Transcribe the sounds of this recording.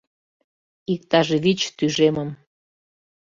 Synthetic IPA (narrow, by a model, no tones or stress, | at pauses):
ik̚t̪ɑʒeβit͡ɕt̪yʒeməm